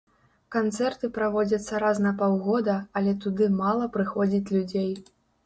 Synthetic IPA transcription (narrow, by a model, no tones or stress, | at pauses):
kant̪sɛrt̪ɨpɾavɔd͡zʲɐt̪sːɐɾaznɐpawɣɔd̪ɐɐlʲɛt̪ud̪ɨmalˠɐpɾɨxɔd͡zʲit͡sʲlʲud͡zʲej